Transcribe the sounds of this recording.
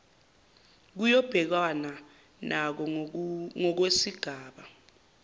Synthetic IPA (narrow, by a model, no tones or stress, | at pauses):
k̬ujɔb̥ʱɛk̬wana | nʔak̬ɔ | ŋɔk̬wesiɡ̥ʱaːɓa